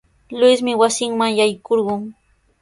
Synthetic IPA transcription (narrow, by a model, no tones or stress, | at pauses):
lʊjsmɪwasɪŋmaŋjajkoɾɢʊŋ